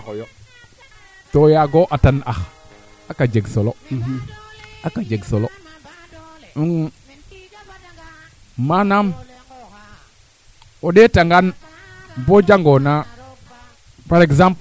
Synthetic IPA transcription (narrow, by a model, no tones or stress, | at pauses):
ojo | tojaɡoʔatanax | akad͡ʒeɡsolo | akad͡ʒeɡsolo | uŋ | manam | oɗetaŋɡan | bod͡ʒaŋɡona | paɾekzamp